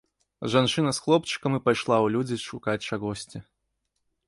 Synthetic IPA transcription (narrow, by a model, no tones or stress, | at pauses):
ʐant͡ʂɨnɐsxlˠɔpt͡ʂɨ̥kɐmɨpajʂlˠawlʲud͡zʲiʂukat͡sʲʂaɣɔsʲt͡sʲi